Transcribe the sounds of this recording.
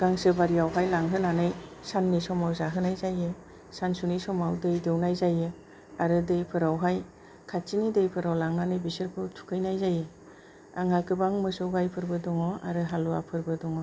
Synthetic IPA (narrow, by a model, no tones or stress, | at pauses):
ɡ̥aŋsɯbaɾiawɦajlaŋɦɯnanɯjsanːisɔmawzaɦɯnajzajɯ | sansunisɔmawdɯjdɯwnajzajɯ | aɾɯdɯjpʰɯɾawɦaj | kʰat͡ʃinidɯjpʰɯɾawlaŋnanɯjbisɯɾpʰɯwtʰu̥kʰɯjnajzajɯ | aŋakɯbaŋmɯsɔwɡajpʰɯɾbɯdɔŋɔa̰ɾɯɦaluapʰɯɾbɯdɔŋɔ